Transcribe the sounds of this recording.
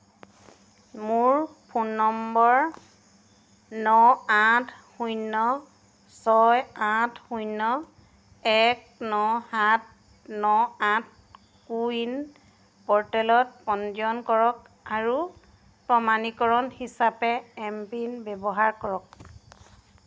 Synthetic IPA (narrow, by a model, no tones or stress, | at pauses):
muɹpʰunːɔmbɔɹ | nɔatʰxujnːɔ | sɔjãtʰxujnːɔ | ɛk̚ | nɔhat̚ | nɔãt̚ʰ | kuin | pɔɹtɛlɔt̚pɔnd͡ʒjɔnkɔɹɔk | aɹu | pɹɔmanikɔɹɔnhisapɛɛmpinbɛbɔɦaɹkɔɹɔk̚